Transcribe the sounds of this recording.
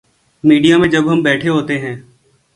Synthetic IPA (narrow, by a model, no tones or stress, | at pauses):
miːɖijamẽd͡ʒɐbɦɐmbɛːʈʰeɦoːt̪eɦɛ̃ː